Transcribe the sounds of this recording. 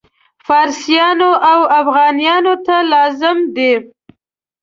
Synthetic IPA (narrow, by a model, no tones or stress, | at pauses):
fɑɾsjɑnoʔawafɣɑnijɑnot̪alɑzɪmd̪e